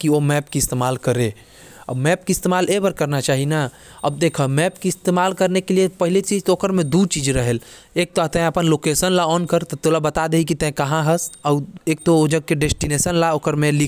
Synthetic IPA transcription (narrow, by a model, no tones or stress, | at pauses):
kiomɛːpkiɪst̪eːmaːlkəɾe | ə̰bmɛːp̚kiɪst̪eːmaːlebəɾkəɾnat͡ʃaːɦina | əb̚d̪eːkʰomɛːpkiɪst̪emaːlkəɾnekeliepəɦilet͡ʃiːd͡ʒt̪ooːkəɾmẽd̪ut͡ʃiːd͡ʒɾəɦel | eːk̚t̪ot̪ɛ̃əpənloːkeːsənlaɔːnkəɾt̪ɔt̪olabət̪ad̪eikit̪ɛ̃kɐɦãɦəsɔːeːk̚t̪ood͡ʒəɡ̚keɖesʈinesənlaoːkəɾmẽlik